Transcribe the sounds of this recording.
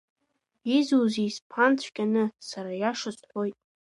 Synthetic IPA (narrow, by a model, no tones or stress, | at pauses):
izuzispʰant͡sʷʰkʲʼanɨsaɾajaʂɨsħʷo̞jtʼ